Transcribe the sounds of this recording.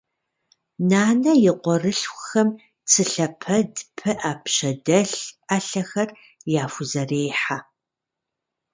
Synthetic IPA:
naːnɐjɪqʷɔrɨɬxʷʊxɐm | t͡sʰɨɬɐpʰɐdpʰɨʔaːpɕɐdɐɬaːɬɐxɐr | jaːfʊzɐreːħa

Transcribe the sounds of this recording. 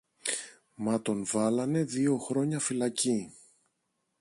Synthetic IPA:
mɐt̪o̞nvɐlɐne̞ðio̞xɾo̞ɲɐfilɐci

